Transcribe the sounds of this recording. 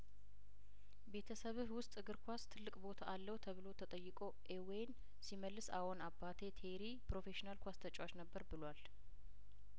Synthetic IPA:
be̞t̪ʰəsəβɨhwʊst̪ʼɨɡɨɾkʰʷast̪ʰɨlːɨkʼbo̞t̪ʰaalːəwt̪ʰəβɨlo̞t̪ʰət̪ʼəjːɨkʼo̞ʔewjn | siməlːɨsa̰wonabːat̪ʰe̞t̪ʰeɾipɾo̞fe̞ʃinalkʷast̪ʰət͡ʃʼwat͡ʃnəbːəɾbɨlwal

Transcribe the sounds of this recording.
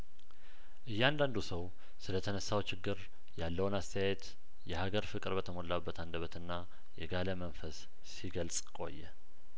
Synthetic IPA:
ʔɨjːɛand̪and̪usəw | sɨlət̪ʰənəsːawt͡ʃɪɡːɨɾ | jalːəwɨnast̪ʰəjajɛt̪ | jɛhaɡəɾfɨkʼɾbət̪ʰəmo̞lːabːət̪ʰand̪əβət̪ɨnːa | jɛɡaləmənfəsː | iɡəlsʼkʼo̞̰jːɛ

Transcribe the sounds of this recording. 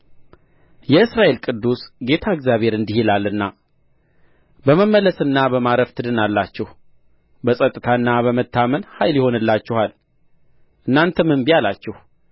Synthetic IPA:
jɛɨsɾaʔe̞lkʼɨd̪ːusɡe̞t̪ʰaɨɡzjaβhe̞ɾɨnd̪ihilalːɨnːa | bəməmːələsɨnːabəmaɾəft̪ʰɨd̪ɨnalːat͡ʃːɛh | bəsʼət̪ʼːɨt̪ʰaɨnːaβəmət̪ʰːamənhajljɪho̞nɨlːat͡ʃːɛhal | ʔɨnːant̪ʰəmɨnbijalat͡ʃːɛh

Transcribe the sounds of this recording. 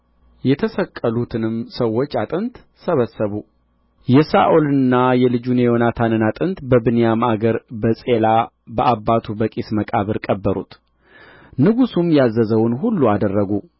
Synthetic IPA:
jɛt̪ʰəsəkʼːəlut̪ʰɨnɨmsəwːot͡ʃːat̪ʼɨnt̪ | səβəsːəβu | jɛsaʔolɨnːajɛlɨd͡ʒunejonat̪ʰanɨnat̪ʼɨnt̪bəbɨnejamaɡəɾbəsʼe̞la | bəʔabːat̪ʰubəkʼisməkʼaβɨɾkʼəbːəɾṵt̪ | nɨɡusumjazːəzəwʊnɦulːuad̪ərːəɡu

